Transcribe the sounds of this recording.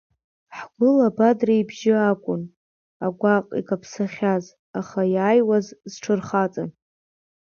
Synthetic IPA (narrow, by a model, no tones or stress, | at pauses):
ħɡʷʊlabadraibʒɪakʷʼʊn | aɡʷaqʼḭkʼapʰsaχʲaz | aχajaːjwazzʈ͡ʂʰɨrχat͡sʼan